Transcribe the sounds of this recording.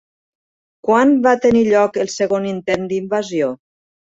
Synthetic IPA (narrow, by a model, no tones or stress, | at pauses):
kwanβat̪əniʎɔkəlˠsəɣonint̪end̪imbazio